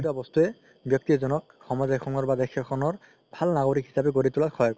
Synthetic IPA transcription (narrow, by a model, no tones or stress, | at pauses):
tabɔst̪uɛ | bjɔk̚tizɔnɔk̚ | xɔmɔzajxʰɔŋɔɹbadɛkʰːɛkʰɔnɔɹ | bʱalnaɡoɹikhisabɛɡoɹitulatxʰɔjɔk